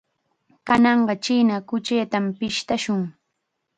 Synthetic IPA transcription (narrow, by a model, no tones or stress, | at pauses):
kanɑɴɢɑt͡ʃiːnakʊt͡ʃejt̪ampɪʃt̪aʃʊŋ